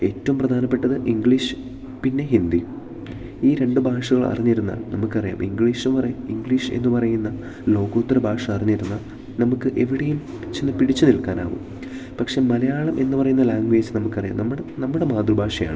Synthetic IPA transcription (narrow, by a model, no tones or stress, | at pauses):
e̞ːtːɐʋɐmprɐd̪ʱaːnɐpːe̞ʈːɐðɨʔiŋɡɭiʂɨ̥ | pinːe̞ɦind̪i | iːɾe̞ɳɖɨbʱaːʂɐɣɐɭɐ̰riɲːiɾunːa̰ːlnɐmukːɨɐrija̰ːmʔiŋɡɭiːʂnpɐrɐjiŋɡɭiʂɨḛnːɨpɐrɐjunːɐ | lo̞ːɣoːt̪ːɐɾɐbʱaːʂɐɐriɲːiɾunːɐ | nɐmukːɨʔe̞ʋiɽejum | pit͡ɕːunːɨpiɽit͡ɕːunilkaːnaːʋṵm | pɐkʂe̞mɐlɐjaːɭɐmʔe̞nːɨpɐrɐjunːɐlaːŋɡʋe̞ːd͡ʑnɐmukːɐrija̰ːmnɐmːuɽnɐmːuɽe̞maːd̪rubʱaːʂɐja̰ːɳɨ